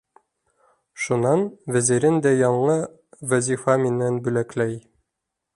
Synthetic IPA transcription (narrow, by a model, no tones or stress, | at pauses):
ʃunɑnvæziɾɘnd̪æjɒɴɤ | væzifɑminːænbʉlæklæj